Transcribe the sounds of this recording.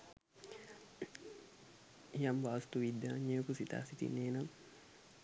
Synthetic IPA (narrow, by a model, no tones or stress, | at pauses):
jambast̪uwidaɲekusit̪a̰sit̪ḭnenam